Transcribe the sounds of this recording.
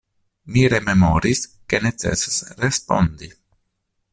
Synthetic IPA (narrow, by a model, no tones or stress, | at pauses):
miɾememoɾiskenet̪sḛsesrespo̰nd̪i